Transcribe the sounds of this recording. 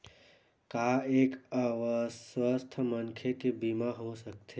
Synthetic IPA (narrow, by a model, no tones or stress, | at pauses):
kaeːkəʋəswəst̪ʰmənkʰekebiːmaɦosɐk̚t̪ʰe